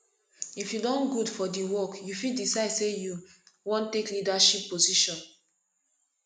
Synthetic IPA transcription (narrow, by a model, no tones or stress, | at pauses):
ifjudɔ̃nɡudfɔdiwɔkjufildisaɪdsejuwɔ̃ntːeklidaʃipːoziʃɔ̃n